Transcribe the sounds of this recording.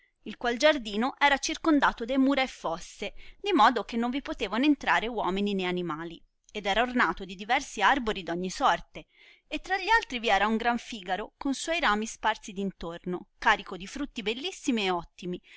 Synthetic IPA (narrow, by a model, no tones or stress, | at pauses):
ilkwald͡ʒard̪iːnoʔɛːɾat͡ʃirkond̪aːt̪od̪emuːɾaefːɔsːed̪imɔːd̪ok̟enːoɱvipot̪eːvanent̪ɾaːɾewɔːminineanimaːli | ed̪ɛːɾaornaːt̪od̪id̪ivɛrsiarboɾid̪ɔɲːisɔrt̪e | et̪ːɾaʎːialt̪ɾiviɛːɾauŋɡɾaɱfiːɡaɾokonswɔjɾaːmisparsid̪int̪ornokaːɾikod̪ifɾut̪ːibelːisːimieɔt̪ːimi